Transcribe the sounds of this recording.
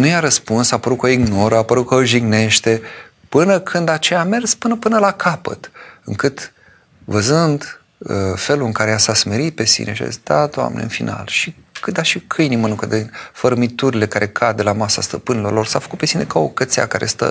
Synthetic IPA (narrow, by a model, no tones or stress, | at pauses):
nujaɾəspunsapəɾut̪̚koiɡno̞ɾəapəɾut̪̚koʒiɡne̞ʃt̪e̞ | pɨnəkʰɨnd̪at͡ʃejame̞rspɨnəpɨnəlakʰapə̰t̪ɨŋkɨt̪ | vəzɨnd̪ | əfe̞luɨŋkaɾejasasme̞ɾit̪̚pe̞sḭne̞ʃa̰sd̪̥at̪oa̰menḛɨ̰nfinʔa̰lʃikɨd̪aʃikʰɨjnimənuŋkəd̪enfəɾəmit̪uɾile̞kaɾʔe̞kʰad̪d̪elamasa̰st̪əpɨnilo̞rlo̞rsafə̥kut̪̚pe̞sine̞kao̰kət̪sea̰kaɾest̪ə̰